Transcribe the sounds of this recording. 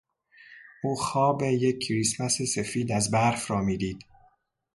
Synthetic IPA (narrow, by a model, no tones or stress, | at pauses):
ʔuːxɒːbejecʰːɾismæsese̞fiːd̪æzbæɾfɾɒːmiːd̪iːd̪̥